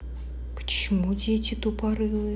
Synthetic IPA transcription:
pə̥t͡ɕɪmudʲetʲɪt̪upɐɾɨlˠɨ

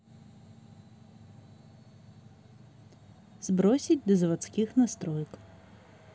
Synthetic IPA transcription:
zbɾɔsʲit̚ʲd̪ɔzʋɐt̪t͡s̪ʲkʲɪxnɐst̪ɾʔɔjk

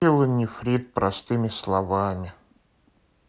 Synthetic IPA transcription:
ɪlˠənʲɪfɾʲit̪̚pɾɐst̪ɨmʲɪslˠɐvamʲɪ

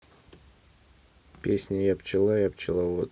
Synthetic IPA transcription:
pʲesʲnʲəjapt͡ʃɪlˠajapt͡ʃɪlˠavot̪

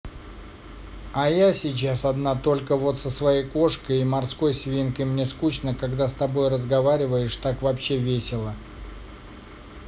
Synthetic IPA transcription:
ajasʲɪt͡ɕasɐd̪nat̪o̞lʲkəvo̞t̪səsvɐjejko̞ʂkəjimɐrsko̞jsʲvʲinkəjmnʲeskut͡ɕnəkɐɡd̪ast̪ɐbo̞jrəzɡɐvaɾʲɪvəjɪʂt̪akvɐpɕːevʲesʲɪlˠə

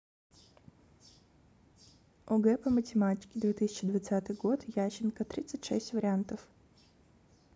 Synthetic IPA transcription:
ɔɡɛpɐmətʲɪmatʲɪ̥kʲɪd̪vʲet̪ɨsʲɪ̥t͡ɕɪd̪vɐt̪sat̪ɨjɡot̪jaɕɪnkɐt̪ɾʲit̪sːətʲʂɛ̰sʲtʲvəɾʲɪant̪əf

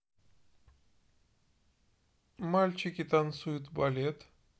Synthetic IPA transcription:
malʲt͡ʃʰikʲit̪ansujt̪balʲet̪

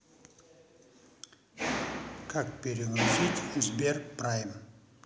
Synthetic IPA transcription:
kʰak̚pʲeɾʲɪɡɾusʲitʲzbʲerprajm

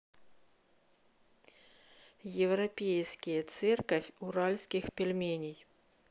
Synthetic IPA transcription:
jɪvɾɐpʲejskʲɪjət̪sɛrkɐfʲʊɾalʲskʲɪxpʲɪlʲmʲenʲɪj

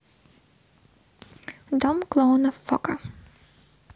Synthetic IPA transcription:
d̪ɔmklˠɔnɔfːɔ̰ka

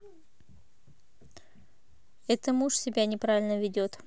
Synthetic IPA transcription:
ɛt̪əmuʂsʲɪbʲanʲɪpɾavʲɪlʲnəvʲɪdʲot̪

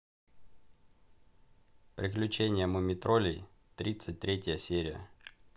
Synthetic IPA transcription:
pɾʲɪklʲʉt͡ɕenʲɪjəməmʲɪt̪ɾolʲɪ | t̪ɾʲit̪sɨt̚ʲt̪ɾʲetʲɪjəsʲeɾʲɪjə̰

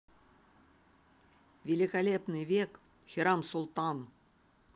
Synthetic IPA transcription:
vʲelʲikalʲepnɨvʲek | xʲiɾɑmsulˠt̪ɑn

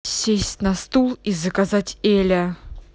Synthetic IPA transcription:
sʲesʲtʲnɐst̪ulˠizəkazatʲelʲə

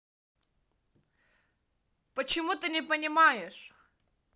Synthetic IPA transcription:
pət͡ɕɪmut̪ɨnʲɪpənʲɪmajɪʂ

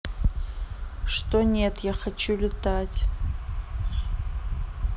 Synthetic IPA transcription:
ʂtonʲe̞tʰjaχat͡ʃʰulʲɪtʰatʲ

